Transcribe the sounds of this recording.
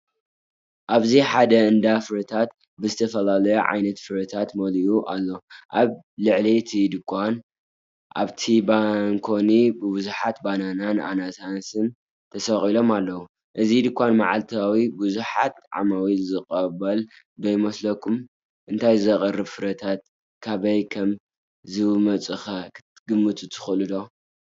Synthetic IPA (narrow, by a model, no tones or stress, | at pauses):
ʔaβziħad̪ɐɨnd̪afɨɾɐt̪ʰat̪ | bɨzɨt̪ʰɐfɐlalɐjuʕa̰jnɐt̪fɨɾɐt̪ʰat̪mɐlijuʔalːo̞ʔaβ | lɨʕlit̪ʰid̪ɨkʰʷːan | ʔa̰βt̪ʰibankʰo̞nibɨbɨzuħat̪bananana̰nasansɨn | t̪ʰɐsɐχʼilo̞malːɐwu | ʔɨzid̪ɨkʷːanma̰ʕalt̪ʰawibɨzuħa̰t̪ʕa̰mawizɨkʼɐβɐl | d̪ojmɐslɐkʰum | ʔɨnt̪ʰajzɨzɐkʼɐrːɨβfɨɾɐt̪ʰat̪̚ | kʰaβɐjkʰɐm | zɨmɐt͡sʼɨxɐ | ɡ̥ɨmːɨt̪ʰut̪ʰɨ̥xɨlɨd̪o̞